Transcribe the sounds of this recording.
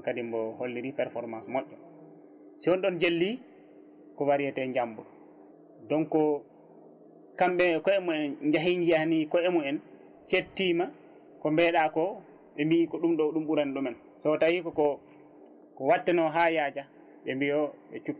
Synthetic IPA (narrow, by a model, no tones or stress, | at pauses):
kadimbɔholːiɾipɛɾfɔɾmansmɔʔːɔ | siɔnɗɔnd͡ʒelːi | kɔwaɾijɛtɛɲd͡ʒambuɗ | dɔnkɔ | kamɓɛkɔɛmuɛnɲd͡ʒaɦiɲd͡ʒianikɔɛmuɛn | t͡ʃetːima | kɔmbɛːɗakɔ | ɓɛmbikɔɗumɗɔɗumɓuɾanɗumɛn | sɔtahikɔkɔ | kɔwatːɛnɔɦajaːd͡ʒa | ɓɛmbijɔɓɛt͡ʃukː